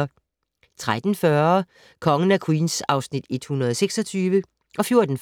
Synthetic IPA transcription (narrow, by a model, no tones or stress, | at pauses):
t͡sʰʁad̥n̩fɶɐ | kʰɒ̽ŋən̩æɐkʰwiːnsɑ̈ʊsnid̥e̝d̥hunɐðˠseɡ̥sɒ̽t͡sʰyːʋə | ʔɒ̽fjo̝ɐd̥n̩f